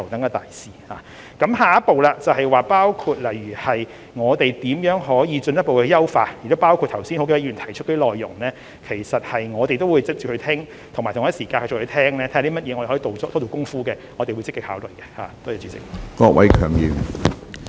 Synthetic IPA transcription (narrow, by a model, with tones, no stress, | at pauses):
wt̪ɐ˨˥ŋaː˧˩t̪aː˨jsiː˨haː˨ | kɐ˨˥mɦaː˨˩jɐ˥t̚po˨wlaː˧t͡sɐ˨whɐ˨jwaː˨paː˥wkʰuː˧t̚lɐ˨˩jɥyː˨˩hɐ˨j | ŋɔː˨˧t̪e˨jt̪iː˨˥mjœː˨˥ŋɦɔː˨˥jiː˨˧t͡ʃɵ˧njɐ˥t̚po˨wkɛ˧jɐ˥wfa̰ː˧t̚jkt̪paː˥wkʰu˧t̪ʰɐ˨˩wsi˥nho˧wke˧˩ɐ˥yː˨˩nt̪ʰɐ˨˩jt͡ʃʰt̚kɔ˧˥i˥lɔː˨jːʊ˨˩ŋlɛː˥ | kʰe˨˩jsɐ˨t̚hɐ˨jŋɔː˨˧t̪e˨jt̪o˥wuː˨˧jt͡sɪ˥k̚t͡ʃyː˨hɵ˧t̪ʰɪ˥ŋ | t̪ʰŋmaː˨˩t̪ʰːsiː˨˩kaː˧nʰht͡ʃʊ˨˩hʰt̪ʰɛː˥ŋlɛː˥t̪ʰɛ˥˨˧li˥m̚˥jɛ˨˧ɔ˨˧e˨˩hɔ˨˥˧to˨wɔ˥t̪ʰɔː˥˩t͡so˨˩wkʊ˥ŋfuː˥kɛː˧ŋɔː˨˧te˨jwu˨˧jt͡sɪ˥kɪ˧k̚haː˨˥wlɵ˨˩ɥkɛː˧ha̰ː˨˩t̪oː˥ja˨˧˩t͡ʃyː˨˧˥t͡sɪ̰˨k̚kɔː˧k̚wʔɐ˨˥jkʰœː˨˩ŋjḭː˨˩w